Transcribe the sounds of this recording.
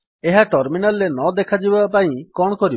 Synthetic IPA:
eɦaʈɔɾminalːenɔd̪ekʰad͡ʒibapaĩkɔɳkɔɾib

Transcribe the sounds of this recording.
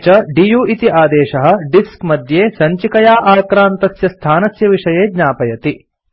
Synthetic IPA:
t͡ʃɐɖijuːʔit̪iʔaːd̪ɛːʃɐɦɐ̆ɖiskmɐd̪ʱjeːsɐɲt͡ʃikɐjaːʔaːkɾaːnt̪ɐsjɐst̪ʰaːnɐsjɐʋiʂɐjeːd̪ɲaːpɐjɐt̪i

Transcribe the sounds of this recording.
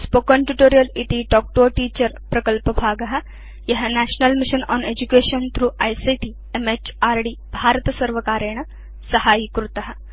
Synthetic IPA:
spokəɳʈjuʈoːɾijɐlit̪iɖɔːk̚ʈoːʈiːt͡ʃəɾpɾɐkəlpəbʱaːɡɐɦɐ | jɐɦɐnæʃnɐlmiʃənɔ̰ːned͡ʑukeːʃənt̪ʰɾuːʔajsiːʈi | emet͡ʃaːɾɖiːbʱaːɾət̪ɐsɐɾʋɐkaːɾeɳ̃ə | sɐhaːjikɾut̪ɐɦɐ

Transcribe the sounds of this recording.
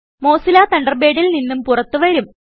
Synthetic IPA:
mo̞ːsilaːt̪ɐɳɖɐrbeːɽilninːumpurɐt̪ːuʋɐɾum

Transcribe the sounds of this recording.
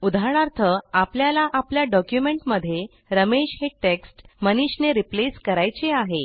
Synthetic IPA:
ud̪ʱaɾɳ̃aɾt̪ʰəapljalaʔapljaɖɔkjumeɳʈməd̪ʱːje | ɾəmeɕɦeʈeksʈməniɕneɾipleskəɾajt͡seaɦe

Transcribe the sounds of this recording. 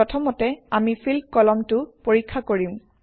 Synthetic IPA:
ɔtʰɔmɔtɛamifʰilkɔlɔmtʊpoɹikʰːakoɹim

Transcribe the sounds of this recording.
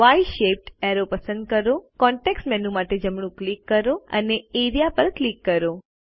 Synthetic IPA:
ʋajʃep̚ʈɛɾopəsə̃nd̪̚kəɾokɔɳʈeksʈmɛnũmaʈed͡ʒəmɽ̃ũklikːəɾoə̰neeɾijapəɾklikːəɾo

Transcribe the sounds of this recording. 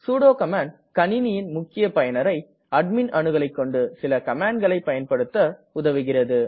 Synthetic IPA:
suːɽoːkɐmaːɳɖ | kɐniːnɪjɪnmʊkːɪjɐpɐjɐnɐɾɐɪ | ɐɖ̚mɪnɐnɯɣɐɭɐɪkːɔɳɖɯsɪlɐkɐmaːɳɡɐɭɐɪpːɐjɐnpɐɽɯt̪ːɐʊðɐʋɯɣɪrɐðɯ

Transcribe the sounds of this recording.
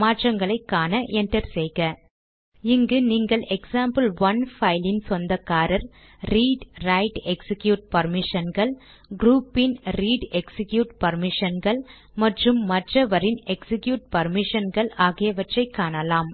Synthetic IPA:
maːʈrɐŋɡɐɭɐɪkːaːnɐʔɛɳʈɐɾsɛjɣɐ | ɪŋɡɯniːŋɡɐɭʔɛksaːmbɐlʋɐnfɐɪlɪnsɔnd̪ɐkːaːɾɐɾ | ɾiːɖɾɐɪʈɛksɪkjuːʈ̚pɐɾmɪʂɐnɡɐɭ | ɡɾuːpːɪnɾiːɖɛksɪkjuːʈpɐɾmɪʂɐnɡɐɭ | mɐʈrɯmːɐʈrɐʋɐɾɪnɛksɪkjuːʈ̚pɐɾmɪʂɐnɡɐɭaːɣɪjɐʋɐʈrɐɪkːaːnɐlaːm

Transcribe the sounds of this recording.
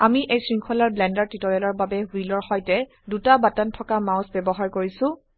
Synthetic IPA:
amiʔejsɹiŋkʰɔlaɹblɛndaɹtitɔɹɛlɔɹbabɛɦilɔɹxɔjtɛ | dutabatantʰɔkamaʊsbɛbɔɦaɹkoɹisʊ̃

